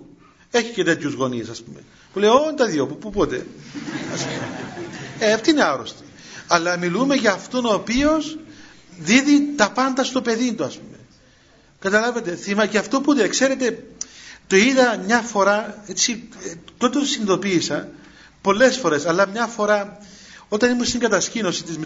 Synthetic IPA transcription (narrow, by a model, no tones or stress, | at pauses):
e̞çicet̪e̞t̪çuzɣo̞niesɐspumḛ | pulejont̪ɐðjopupupot̪e̞̰ɐspume | eft̪iineaɾost̪i̥ | ɐlːɐmilume̞ʝɐːft̪o̞no̞ːpio̞s | ðiðit̪ɐpɐnd̪ɐst̪o̞pe̞ðind̪uɐspume̞ | kɐt̪ɐlɐvet̪e̞θimɐcɐft̪o̞put̪ekse̞ɾe̞t̪e̞ | t̪oiðɐmɲɐfo̞ɾɐet͡sit̪ot̪ot̪osiniðo̞piːsɐ | po̞lːe̞sfo̞ɾe̞sɐlːɐmɲɐfo̞ɾɐ | o̞t̪ɐnimust̪iŋɡɐt̪ɐscino̞sit̪izme